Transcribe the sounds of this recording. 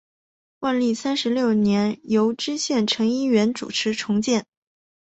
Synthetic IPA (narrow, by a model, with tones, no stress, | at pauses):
wa˥˧nli˥˩sa˥nʂɻ̩˧˥ljo˥˩ʊnjɛ˧˥njo˧˥ʊʈ͡ʂɻ̩˥ɕjɛ˥˩nʈ͡ʂʰɤ˧˥ŋi˥ɥɛ˧˥nʈ͡ʂṵ˨˩ʈ͡ʂʰɻ̩˧˥ʈ͡ʂʰʊ˧˥ŋt͡ɕjɛ˥˩n